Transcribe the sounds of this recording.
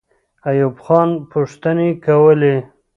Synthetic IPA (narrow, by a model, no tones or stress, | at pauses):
ajubxɑnpʊʂt̪ənekawəle